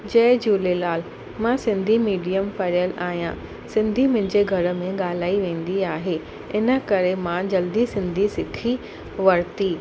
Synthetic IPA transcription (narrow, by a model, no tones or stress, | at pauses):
d͡ʑɐːd͡ʑuːlelaːl | mãsɪ̃nd̪ʱimiːɖijəmpɐɾijəla̰ːɦijã | sɪ̃nd̪ʱimʊ̃ɦɪ̃ɲd͡ʑeɡʱɐɾə̆mẽɠaːl̤aːiʋẽːn̆d̪iaːɦeː | ɪnə̆kɐɾemãd͡ʑɐld̪isɪ̃nd̪ʱisɪkʰi | ʋɐɾt̪iː